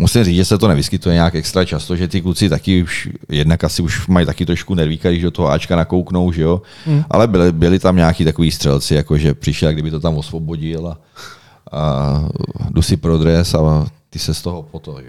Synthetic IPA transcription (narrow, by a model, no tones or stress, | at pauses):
musɪmriːd͡zʒɛsɛt̪onɛvɪskɪt̪ujɛɲaːkɛkst̪ɾat͡ʃast̪oʒɛt̪ɪklut͡sɪt̪akɪuʃjɛdnakasɪuʃmajt̪akɪt̪ɾoʃkunɛɾviːkadɪʒdot̪oɦoaːt͡ʃkanakowkno̞wʒɛjo | ʔa̰lɛbɪlbɪlɪt̪amɲaːkiːt̪ako̞viːst̪r̥ɛlt͡sɪjakoʒɛpr̥ɪʃɛlaɡdɪbɪt̪ot̪amosvobo̞ɟɪla | a | dusɪpɾod̪ɾɛsat̪ɪsɛst̪oɦopot̪oʒɛ